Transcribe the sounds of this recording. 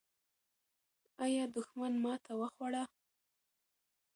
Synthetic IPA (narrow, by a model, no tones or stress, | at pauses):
ɑjɑd̪ʊxmanmɑt̪ʰawəxwaɽa